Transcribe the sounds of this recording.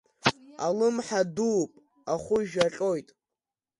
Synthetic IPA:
a̰lɨmħaduːpʼ | aχʷʊʒᶣaɬʲʼo̞jtʼ

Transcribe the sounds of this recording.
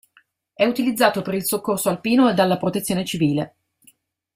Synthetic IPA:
ɛut̪ilid̪zːaːt̪opeɾilsokːorsoalpiːnoed̪alːapɾot̪et̪sːjoːnet͡ʃiviːle

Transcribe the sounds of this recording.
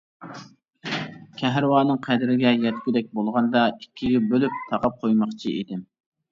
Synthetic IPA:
kʲʰɛɦɾɨwɑːnɨŋqʰæd̪ɪɾɪɡʲɛjɛt̪kʲyd̪ɛk̚ʲbolˠʁɑnd̪ɑikʲʰːiɡʲɛbølyp̚t̪ʰɑqɑp̚qʰojmɑχt͡ʃʰiḭd̪ɪm

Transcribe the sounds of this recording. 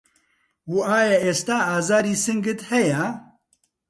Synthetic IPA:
wuaːjɛeːst̪aːaːzaːɾiːsɨŋɡɨt̪hɛjɛ

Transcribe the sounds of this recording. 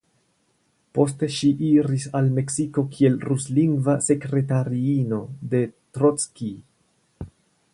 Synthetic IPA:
po̞ste̞ʃiʔiɾisalme̞ksiko̞kʰie̞lɾusliŋɡvase̞kɾe̞taɾiino̞de̞tɾot͡ski

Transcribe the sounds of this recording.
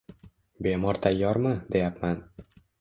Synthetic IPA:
bemɒɾt̪ʰajːɒɾmɨd̪ejapman

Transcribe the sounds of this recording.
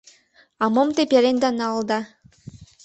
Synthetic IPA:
ɑmomt̪epʲjalenʲd̪ɑnɑlˠd̪ɑ

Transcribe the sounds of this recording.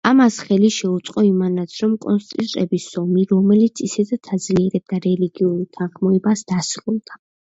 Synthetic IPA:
amasχɛliʃɛut̪sʼqʼɔimanat̪sʰɾɔmkʼɔnst̪ʼit̪ʼɾʼɛbisɔmiɾɔmɛlit̪sʰisɛd̪at̪ʰad̪zliɛɾɛb̚d̪aɾɛliɡiuɾit̪ʰanχmɔɛbasd̪asɾulˠd̪a

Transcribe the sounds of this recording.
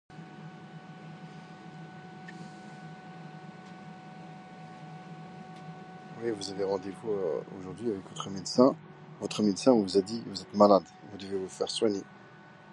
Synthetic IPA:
wivuzaveʁɑ̃d̪evuøo̰ʒuʁd̪ɥiavɛkvɔt̪χəmed̪sɛ̃ | vɔt̪χəmed̪sɛ̃vuzad̪ivuzɛt̪malad̪vud̪əvevufɛʁswaɲe

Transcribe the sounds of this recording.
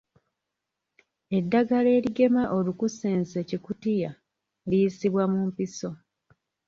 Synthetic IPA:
e̞dːaɡale̞ːliɡe̞maʔolukuse̞ːnsecikutija | lijisiβwamumpiso̞

